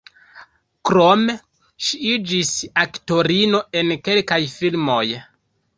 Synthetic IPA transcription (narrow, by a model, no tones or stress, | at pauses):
kɾome | ʃiid͡ʒisakto̞ɾino̞e̞nke̞lkajfilmo̞j